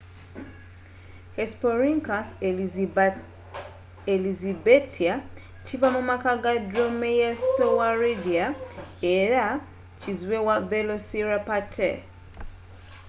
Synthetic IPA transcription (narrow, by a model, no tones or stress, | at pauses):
hespoɾiŋkas | elizibetʰia | t͡ʃivamumakaɡadɾomejasowaɹidiaeɾa | t͡ʃizwewavelosiɾapatʰe